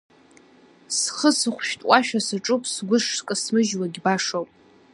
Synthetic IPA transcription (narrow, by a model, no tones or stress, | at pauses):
sχəsɨχʷʃᶣtʼwaʃᶣasɨʈ͡ʂʼupʼsɡʷʊʂkʼɨsmɨʒwaɡʲbaʂowpʼ